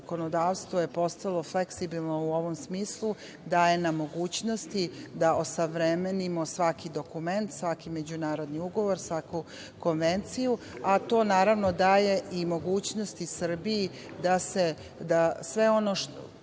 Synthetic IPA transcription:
ko̞nod̪aːʋst̪ʋoje̞po̞st̪alˠo̞fleksibilˠno̞uo̞ʋomsmiːslˠu | d̪aːje̞namo̞ɡuːt͡ɕno̞st̪id̪aʔosaʋɾemenimo̞sʋakid̪o̞kume̞nt̪sʋakime̞d͡ʑunaːɾo̞d̪niuɡo̞ʋo̞ɾsʋaku | ko̞nʋe̞nt̪sijuat̪o̞ːnaːɾaʋno̞d̪aːje̞ʔimo̞ɡuːt͡ɕno̞st̪isr̩biji | d̪ase̞ | d̪asʋe̞o̞noʃ

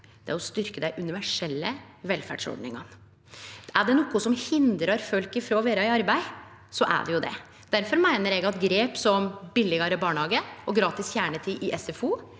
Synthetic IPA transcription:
d̪̥ɛæɾɔst̪ʏɾkəd̪æɪʔʉnɪʋæʂɛlːə | ʋɛlfæ̰ɖʂɔ̰ɖɳɪ̰ŋɑn | æɖɛnɔkːʊsɔmhɪnd̪ɾɑɾfœlkɪfɾoːʋeːɾɑɪɑɾbæɪ | sɔʔæ̰ɖɛjʊd̪ɛ̰ | d̪̥æɾfɔɾmæɪnəɾɛɡɑt̪ɡɾeːpsɔmbɪlːɪɡɑɾəbɑːɳhɑːɡəɔɡɾɑːt̪ɪsçjæːɳət̪ʰiːʔɪʔɛsɛfuː

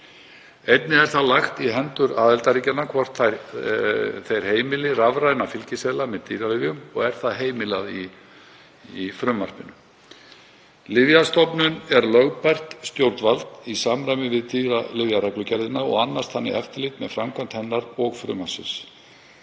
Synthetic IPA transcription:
ejt̪nɪɛɾ̥θaðlaxt̪iɦɛnt̪ʏɾaːðɛlt̪aɾicalnakʰvɔr̥t̪θaɾ | θejɾ̥heːjmɪlɪravɾajnafɪlcɪsɛːlamɛðt̪ʰiːɾalɪvjʏmɔɣɛɾ̥θaðɦeːjmɪlaði | ifɾʏmːar̥pɪnʏ | lɪvjast̪ɔpnʏnɛɾlœɣpar̥t̪st̪jowɾt̪valt̪isaːmɾajmɪvɪðt̪ʰiːɾalɪvjaɾaklʏcɛɾðɪnaɔ̰ɣanːast̪hanːɪ̰ʔɛft̪ɪɾlɪt̪mɛðfɾamkʰœn̥t̪hɛnːaɾɔɣfɾʏ̰ːmasɪ̰ns

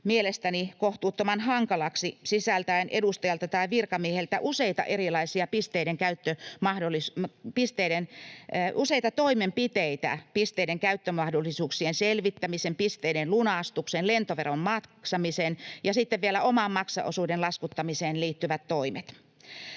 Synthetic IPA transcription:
mielest̪ænikoht̪uːt̪ːomɑnhɑŋkɑlɑksisisælt̪æinʔedust̪ɑjɑlt̪ɑt̪ɑiʋirkɑmiehelt̪æʔuseit̪ɑ̰ʔerilɑisiɑpist̪eiɾeŋkæyt̪ːømɑhdolːˑispist̪eiɾenʔuseit̪ɑt̪oimempit̪eit̪æ̰pist̪eideŋkæyt̪ːømɑhdolːˑisuːksienselʋit̪ːæmisempist̪eidenlunɑˑst̪uksenlent̪oʋerommɑtksɑmisenjɑsit̪ːeʋʋielæomɑmmɑksɑ̰ʔo̰suːdenlɑskut̪ːɑmiseːnliːt̪ːyʋæt̪toimet̪

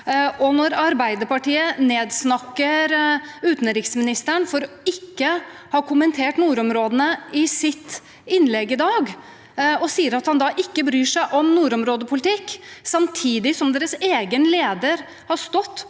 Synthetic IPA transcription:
ɔnɔɾɑɾbæɪd̪əɾpɑʈiːəneːd̪snɑkːəɾʉːt̪nɾɪksmɪnɪst̪əɳfɔɾɔ | ɪkːəhɑkʰʊmənt̪ʰeːʈnuːɾɔmɾoːd̪ənəɪsɪt̪ː | ɪnlɛɡːɪd̪ɑːɡ | ɔsiːəɾɑt̪hɑnd̪ɑʔɪkːəbɾyːʂæɪʔɔmnuːɾɔmɾoːd̪əpʰʊlɪt̪ʰɪkːsɑmt̪ʰiːd̪ɪsɔmd̪eːɾəseːɡənleːd̪əɾ | hɑst̪ɔt̪ː

